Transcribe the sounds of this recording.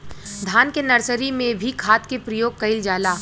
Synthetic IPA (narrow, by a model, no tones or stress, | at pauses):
d̪ʱaːnkenɐɾsəɾimẽbʱikʰaːt̪kepɾəjoːɡ̚kɐɪld͡ʒaːlaː